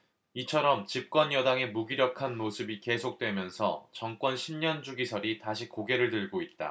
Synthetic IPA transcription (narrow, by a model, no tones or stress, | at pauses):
it͡ɕʰʌɾʌmt͡ɕip̚k͈wʌnjʌdaŋe̞muɡiɾjʌkʰanmosʰɯbike̞sʰok̚t͈we̞mjʌnsʰʌ̰t͡ɕʌŋk͈wʌnɕʰimɲʌnd͡ʑuɡisʰʌɾitaɕʰikoɡe̞ɾɯɭdɯɭɡoit̚t͈a̰